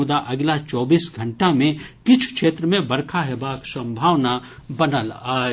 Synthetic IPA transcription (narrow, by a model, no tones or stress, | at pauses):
ʊd̪aʔɐɡlat͡ʃɔːbiːsɡʱɐ̃ɳʈamẽkɪt͡ʃʰkʃeːt̪ɾəmẽbɐɾkʰaɦebaːksɐ̃mbʱaːwnabɐnəlaːe